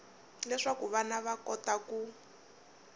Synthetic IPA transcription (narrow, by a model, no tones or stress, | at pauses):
lɛʂakuβanaβakɔtaku